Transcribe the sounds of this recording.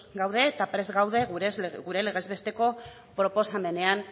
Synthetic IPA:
ɡawðe̞ːt̪apɾe̞zɣawðe̞ɣɾeɣuɾe̞le̞ɣ̞e̞zβe̞st̪e̞ko̞ | pɾo̞po̞same̞ne̞an

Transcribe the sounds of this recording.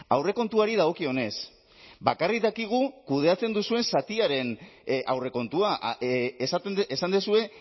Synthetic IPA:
awre̞ko̞nt̪uaɾið̞aɣ̞o̞kio̞ne̞s | bakarik̚d̪akiɣ̞ukuð̞e̞at͡se̞nd̪usue̞nsat̪iaɾe̞nʔa̰wre̞ko̞nt̪ua | sat̪ːsand̪esue̞

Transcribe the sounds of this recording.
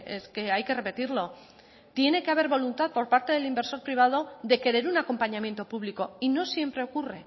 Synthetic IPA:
ḛske̞ajke̞re̞pe̞t̪iɾlo̞ | t̪je̞ne̞keaβ̞e̞ɾβo̞lunt̪aðpo̞ɾpaɾt̪e̞ðe̞limbe̞ɾso̞ɾpɾiβ̞að̞o̞ðe̞ke̞ɾe̞ɾunako̞mpaɲãmjent̪o̞puβliko̞ino̞sjempɾe̞o̞kure̞

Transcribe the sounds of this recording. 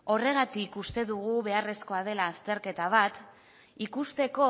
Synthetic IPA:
o̞re̞ɣat̪ikust̪e̞ðuɣuβe̞are̞sko̞að̞e̞laːst̪e̞ɾke̞t̪aβ̞at̪ | ikust̪e̞ko̞

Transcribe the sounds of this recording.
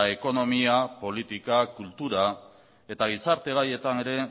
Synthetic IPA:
e̞ko̞no̞miapo̞lit̪ikakult̪uɾa | e̞t̪aɣ̞isaɾt̪e̞ɣ̞aje̞t̪ane̞ɾe̞

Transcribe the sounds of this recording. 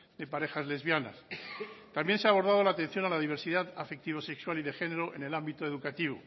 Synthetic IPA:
d̪e̞paɾe̞xazle̞zβjana̰st̪ambje̞nseaːβo̞ɾðað̞o̞laːt̪e̞n̟θjo̞nalaðiβ̞e̞ɾsiðaðafek̚t̪iβo̞se̞kswaliðexe̞ne̞ɾo̞ʔe̞̰ne̞lambit̪o̞e̞ðukat̪iβ̞o̰

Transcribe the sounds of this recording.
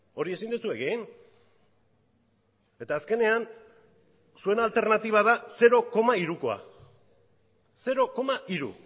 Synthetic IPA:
o̞ɾie̞sind̪usue̞ɣen | e̞t̪aːske̞ne̞an | sue̞nalt̪e̞ɾnat̪iβ̞aðase̞ɾo̞ko̞maiɾuko̞a̰ | se̞ɾo̞ko̞maʔiɾṵ

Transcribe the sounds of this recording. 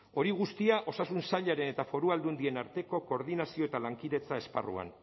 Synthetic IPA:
o̞ɾiɣ̞ust̪iaʔo̞sasunsaʎaɾe̞ne̞t̪afo̞ɾuald̪und̪ie̞naɾt̪e̞ko̞ko̞ːɾð̞inasio̞e̞t̪alaŋkiðet͡sae̞spa̰rṵa̰n

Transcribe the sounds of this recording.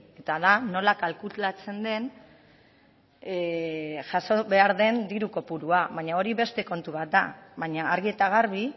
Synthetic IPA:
e̞t̪aðano̞lakalkulat͡se̞nd̪e̞n | ʝaso̞βe̞aɾðe̞nd̪iɾuko̞puɾuaβaɲao̞ɾiβe̞st̪e̞ko̞nt̪uβat̪̚d̪a̰βaɲaaɾɣie̞t̪aɣ̞aɾβ̞i

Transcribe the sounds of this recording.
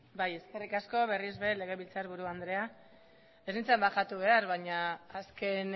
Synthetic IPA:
baje̞ske̞rikasko̞βe̞rizβe̞le̞ɣ̞e̞βilt͡saɾβuɾuand̪ɾe̞a | esnint͡sambaxat̪uβe̞aɾβaɲaːske̞n

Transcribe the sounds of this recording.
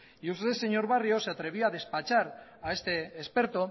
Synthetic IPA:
iust̪eese̞ɲo̞ɾβ̞ario̞se̞at̪ɾe̞β̞ioaðe̞spat͡ʃaɾae̞st̪e̞ːspe̞ɾt̪o̞

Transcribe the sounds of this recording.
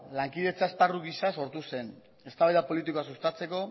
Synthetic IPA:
laŋkiðe̞t͡saesparuɣisaso̞ɾt̪use̞n | e̞st̪aβajðapo̞lit̪ikoasust̪at͡se̞ko̞

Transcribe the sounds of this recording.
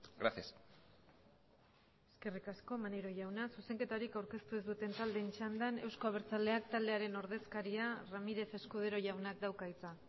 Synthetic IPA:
ɡɾasias | e̞ske̞rikasko̞maneɾo̞ʝawnasuse̞ŋke̞t̪aɾikawɾke̞st̪ue̞zd̪ut̪e̞nt̪ald̪e̞nt͡ʃand̪ane̞wsko̞aβe̞ɾt͡sald̪e̞ak̚t̪ald̪e̞aɾe̞no̞ɾðe̞skaɾiaramiɾe̞fe̞skuð̞e̞ɾo̞ʝawnakd̪awkajt͡sa

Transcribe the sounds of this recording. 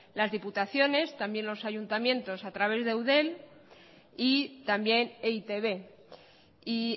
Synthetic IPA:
lazðiput̪aθjo̞ne̞st̪ambjẽ̞nlo̞saʝunt̪amjẽ̞nt̪o̞sat̪ɾaβ̞e̞zðe̞wðe̞l | it̪ambje̞neit̪e̞βe̞ | i

